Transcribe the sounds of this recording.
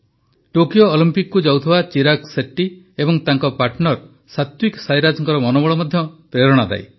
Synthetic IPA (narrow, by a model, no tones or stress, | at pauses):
ʈokijoːlimpikkːud͡ʒawt̪ʰibat͡ʃiɾakseʈːi | ebɔŋt̪aŋkɔpaɾʈnɔɾ | sat̪wiksajɾad͡ʒɔŋkɔɾɔmɔnɔbɔɭɔmɔd̪ʱjɔpɾeɾɔɽ̃ɔd̪a̰j